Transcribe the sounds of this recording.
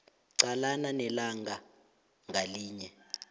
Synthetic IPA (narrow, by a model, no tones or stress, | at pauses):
ǀalananɛlaŋɡʱa | ŋɡʱaliːɲɛ